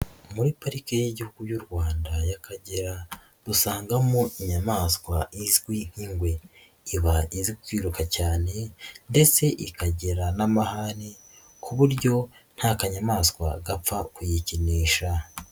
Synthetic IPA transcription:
muɾipaɾikejeɟihuɡujuɾɡwaːndajakʰaɟeɾa | dusaːŋɡamoiɲamaːskwaizɡwin̥hiːŋɡwe̞ | iβaiziɡwikwiːɾukacaːne̞nde̞t͡se̞ʔikaɟeɾanamahaɾi | kʰuβuɾɟo̞n̥haːkaɲamaːskwa̰ɡap͡fakujiciniːʃa

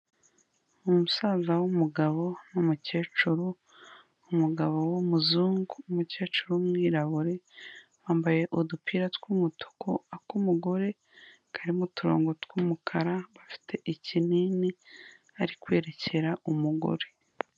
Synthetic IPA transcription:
umusaːzawumuɡaβo̞numuce̞ːt͡ʃuɾuː | muɡaβo̞womuzuːŋɡuːmuce̞ːt͡ʃuɾumŋiːɾaβuɾe̞waːmbaje̞ʔudupʰiːɾatwumutʰo̥kʰoakumuɡo̞ɾe̞ | kʰaɾimutuɾo̞̰ːŋɡotkwumukʰaɾaβafi̥tʰe̞ʔicinini | aɾikwe̞ːɾe̞cʰe̞ɾaʔumuɡo̞̰ɾe̞

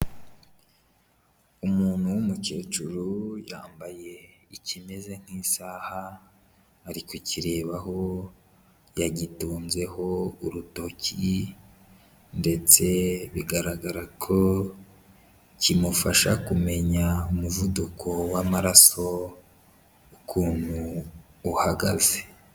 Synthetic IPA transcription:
umuːn̥huwumucet͡ʃuɾuja̰ːmbaje̞icime̞ze̞ŋ̥hiːsaːhaː | ɾikuciɾe̞ːβaho̞ | jaɟituːnze̞ho̞uɾuto̞ci | nde̞t͡se̞βiɡaɾaɡaɾakʰo̞ | cimufaʃakume̞ɲaumuvudukʰo̞wamaɾaso̞ | ukʰuːn̥huː | haɡaze

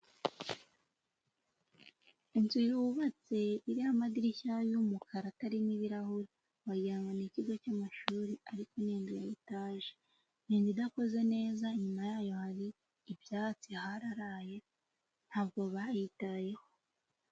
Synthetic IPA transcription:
inzuɾuβat͡se̞iɾihamadiɾiçajumukʰaɾataɾiniβiɾahuɾi | wajaːŋaniciɡo̞camaʃuːɾiaɾikoneːndijajitaːʒe | niːndidako̞ze̞ne̞ːzaɲumajaːjo̞haɾiː | bjaːt͡sihaɾaɾaje̞ | n̥haːbɡo̞βajitaje̞ho

